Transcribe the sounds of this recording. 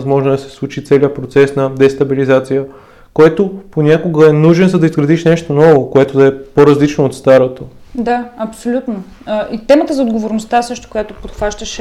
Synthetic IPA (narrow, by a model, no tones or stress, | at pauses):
zmɔʒnod̪ɐsɛ̥slˠut͡ʃit̪sɛliəpɾot̪sɛsnɐd̪ɛst̪ɐbilizat̪sijə | koɛt̪oponʲakoɡəɛnuʒɛnzɐd̪ɐizɡɾɐd̪iʃnɛʃt̪onɔvokoɛt̪od̪ɐɛpoɾɐzlit͡ʃnoːt̪st̪aɾot̪od̪aɐpsolʲut̪no | əʔit̪ɛmət̪əzɐod̪ɡovoɾnost̪asɤʃt̪o̥kojat̪opot̪xvaʃt̪əʃ